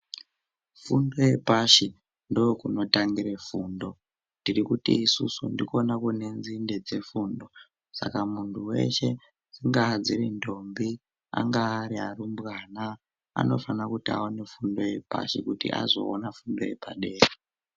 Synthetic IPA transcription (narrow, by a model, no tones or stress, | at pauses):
fundo̞je̞paʃi | ndo̞kuno̞taŋɡiɾefuːndo̞ | ndirikutiːsusundiko̞nakune̞nzinde̞d͡ze̞fuːndo̞ | sa̰kamuntʰuwe̞̰ʃe̞ | nd͡ziŋɡaːd͡zirindo̞mbi | a̰ŋɡaːɾiarumbɣaːna | a̰no̞fanakutia̰one̞fundo̞je̞pa̰ʃikutḭʔa̰zo̞̰ːnafundo̞je̞pa̰ɗe̞ːre